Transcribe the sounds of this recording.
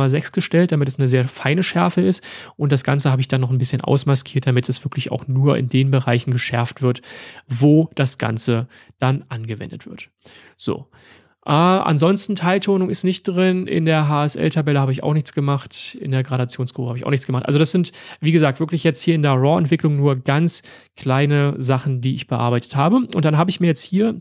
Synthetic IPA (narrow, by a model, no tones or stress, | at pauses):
aːzɛksɡ̥əʃtɛlt̚d̥amɪtɛsnəzeːɐfaɪnəʃɛɐfəɪstʔʊnt̚d̥asɡ̥a̰nt͡səhaːbəɪçd̥anːɔχn̩bɪsçənʔa̰ʊsmaskʰiːɐt̚d̥amɪt̚d̥asv̥ɪɐklɪça̰ʊxnuːɐʔɪ̰ndeːnbəʁaɪçn̩ɡəʃɛɐftv̥ɪɐtvoːd̥asɡ̥a̰nt͡sə | d̥anʔanɡəvɛ̰ndətv̥ɪɐt | z̥o̰ː | ʔɛːʔa̰nzɔnstn̩tʰaɪltʰoːnʊŋɪstnɪçt̚d̥ʁɪnʔɪ̰ndeːɐɦaːɛsʔɛ̰ltʰabɛləhaːbəɪça̰ʊxnɪçt͡sɡ̥əmaχtɪndeːɐɡʁaɾat͡sjoːnskʁ̥oːbəhaːbɪçaʊxnɪçt͡sɡ̥əmaχtʔa̰lzodasz̥ɪntv̥iːɡəzaːk̚tv̥ɪɐklɪçjɛt͡sthiːɐɪndeːɐʁɔɛntv̥ɪklʊŋnuːɐɡant͡s | kʰl̥aɪnəzaχn̩diːɪçb̥əʔa̰ɐbaɪtə̥thaːbəʔʊntd̥anɦaːbəɪçmiːɐjɛt͡sthiːɐ